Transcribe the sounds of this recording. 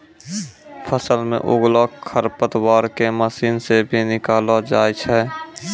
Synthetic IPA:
pʰəsəlmḛ̃ʔʊɡlakʰːəɾpət̪waːɾkeməsiːnsebʱinɪkaːlad͡ʒaːjt͡ʃʰɛː

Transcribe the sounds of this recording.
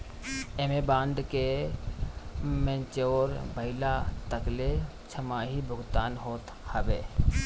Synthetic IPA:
emebãːnd̪ke | mẽːnt͡ʃeoːɾbʱəɪlat̪əkle | t͡ʃʰəmaɦibʱʊɡt̪aːnɦoːt̪ | həbeː

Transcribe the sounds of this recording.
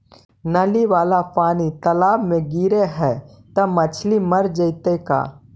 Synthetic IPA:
nɐliʋaːlapaːnit̪ɐlaːbmẽɡiːɾeɦɛː | t̪ɐmɐt͡ʃʰliməɾd͡ʒəɪt̪eka̰ː

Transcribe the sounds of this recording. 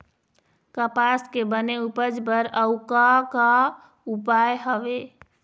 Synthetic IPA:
kəpaskebəneupəd͡ʒbəɾəʊkaka | upajɦəʋe

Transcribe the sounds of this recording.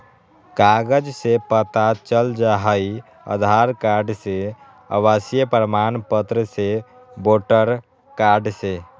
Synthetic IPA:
kaːɡəd͡ʒsepət̪at͡ʃəld͡ʒaɦəi | ə̰d̪ʱaːɾkaːɾɖse | ə̰waːsijəpəɾəmaːnpət̪ɾəse | boːʈəɾ | kaːɾɖse

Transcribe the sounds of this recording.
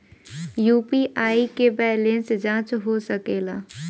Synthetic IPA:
juːpiʔaːikebɛːlẽnsd͡ʒãːt͡ʃɦosəkeːlaː

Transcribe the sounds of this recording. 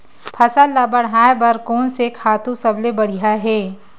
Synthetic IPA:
pʰɐsalabɐɽaːebɐɾkɔːnseːkʰaːt̪ũsɐblebɐɽ̤iɦaɦɛː

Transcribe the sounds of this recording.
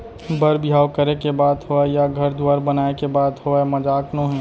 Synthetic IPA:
bəɾbjaːwkəɾekebaːd̪ɦoɛjaɡʱɐɾd̪waːɾbɐnaːekebaːd̪ɦoɛmɐd͡ʒaːknõɦɛ̃ː

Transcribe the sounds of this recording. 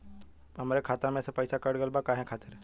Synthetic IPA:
ɦɐmaːɾekʰaːt̪amẽspəjsakəɾɖɡəlbakaːɦɛ̃kʰaːt̪ɪɾ

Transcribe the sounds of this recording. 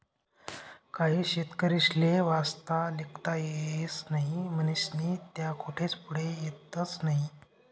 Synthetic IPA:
kaɦiːɕet̪kəɾiɕleʋast̪alikt̪ajesnaɦiməniɕniːt̪jakʰuʈʰet͡spuɽejet̪ət͡snaɦi

